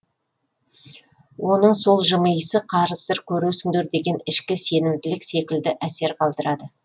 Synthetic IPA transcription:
wʔo̞nəɴso̞lˠʒəməjəsəqʰɑɾəsəɾkʲʰɵɾusɪnd̪eɾd̪e̞ɡʲe̞nɪʃkʲɪse̞nɪmd̪ɪlɪkse̞kʲɪld̪ɪʔæse̞ɾqʰɑlˠd̪əɾɑd̪ə

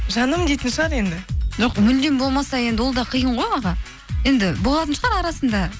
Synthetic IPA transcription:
ʒɑnəmd̪e̞jt̪ɪnʃəʁɑɾe̞nd̪ɪ̥ʒoqmʏld̪embo̞lˠmɑsɑje̞nd̪ɪwo̞lˠd̪ɑqʰəjəɴʁo̞jɑʁɑ | je̞nd̪ɪbo̞lˠɑt̪ənʃəʁɑɾɑɾɑsənd̪ɑ

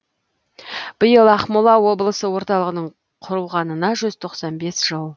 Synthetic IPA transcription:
b̥əjəlˠɑχmʊlˠɑwo̞blˠəsəwo̞ɾt̪ɑlˠəʁənəɴ | qʰʊɾəlˠʁɑnənɑʒʏz̥t̪ʰo̞qsɑnbe̞sʒ̥əlˠ

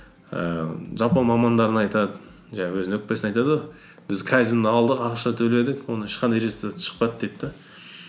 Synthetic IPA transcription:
ə̰ʒɑpɑmɑmɑnd̪ɑɾənɑjt̪ɑd̪ə | ʒɑɑwɵzwɵk̚pesɪnɑjt̪ɑd̪we | b̥ɪzkʰæzʲind̪ɑlˠd̪əqɑqʃt̪ɑt̪ʰɵle̞d̪ɪkwo̞nəɪʃqɑnd̪ɑjɾest̪ʃə̥qpɑd̪̚d̪et̪ːɑ

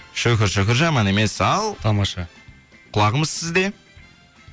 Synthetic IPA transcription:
ʃɵkʲɪɾʃɵkʲɪɾʒɑmɑne̞me̞sɑlˠt̪ʰɑmɑʃɑ | qʰʊlˠɑʁəməzsɪzd̪e̞

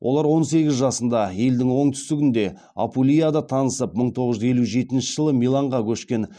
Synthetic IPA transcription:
wʔolˠɑɾwo̞nse̞ɡʲɪzʒɑsənd̪ɑje̞ld̪ɪŋwo̞ɴt̪ʰʏ̥st̪ɪɡʲɪnd̪e̞ | a̰pulʲijad̪ɑt̪ʰɑnəsəp̚məɴt̪ʰo̞ʁəzʒʏze̞luʒe̞t̪ɪnʃəʒ̥əlˠəmijlˠɑɴʁɑkʲʰɵʃkʲe̞n

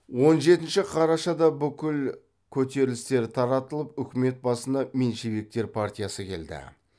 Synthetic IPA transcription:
wo̞nʒe̞t̪ɪnʃɪqʰɑɾɑʃɑd̪ɑbʏkʲɪl | kʲʰɵt̪e̞ɾɪlɪst̪e̞ɾt̪ʰɑɾɑt̪əlˠəpʏkʲɪme̞t̪̚bɑsənd̪ɑme̞nʃeβe̞k̚t̪e̞ɾpʰart̪ʲijasəkʲʰe̞̰ld̪ɪ̰

